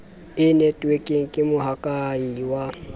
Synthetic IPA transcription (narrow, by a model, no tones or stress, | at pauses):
ɪnɛtʼwekʼɪŋ̩kʼɪmʊɦakʼaɲiwa